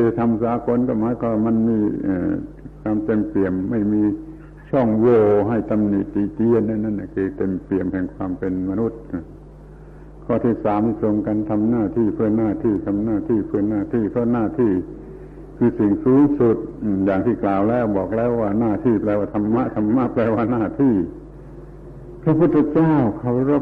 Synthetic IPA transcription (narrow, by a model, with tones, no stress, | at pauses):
iː˧˩a˧˩jt̪ʰa˧msaː˨˦ko˧˥nkɔː˧˩maː˨˦˥jkʰɔ˧˩˧waː˧˩ma˧˥˨nmiː˧˥ʔː | kʰwaː˧mt̪e˧˨mpi˨˩əmːa˥˩jmiː˧ | t͡ɕʰɔ˥˩ŋwoː˧˩ɦa˥˩jt̪a˧mniː˨˩t̪̚ːi˧˩t͡ɕi˧ə˨nːa˧˨na˧˥˩na˧˩kʰɯː˧t̪e˧mpi˨˩əmkʰɛː˨˩ŋkʰwaː˧mpe˧nma˧nu˦˧˥t̪̚ʔɯ˧˩ | kʰɔː˧˩t̪ʰiː˧˥˩saː˨˦mt̪i˧˩so˧ŋka˧nt̪ʰa˧mnaː˧˩t̪ʰiː˥˩pʰɯ˥˩ənaː˧˩t̪ʰiː˥˩t̪ʰa˧mnaː˧˥˩t̪ʰiː˥˩pʰɯ˥˩ənaː˧˥˩t̪ʰiː˥˩pʰɔ˥˧wnaː˧˥˩t̪ʰiː˧˩ | kʰɯː˧si˨˩ŋsuː˨˦ŋsu˨˩t̪̚ʔjaː˨˩ŋt̪ʰiː˥˩klaː˨˩wlɛː˦˥˩wbɔː˨˩k̚lɛː˦˥˩wːaː˧˩naː˧˩t̪ʰiː˧˩plɛː˧waː˧˩t̪ʰa˧mːa˦˧˥ʔt̪ʰa˧mːa˦˥ʔplɛː˧waː˧˥˩naː˧˥˩t̪ʰiː˧˥˩ | pʰɾa˧pʰu˥˩t̪ʰːa˧t͡ɕaː˥˩wkʰa˧˩wɾo˦˥˩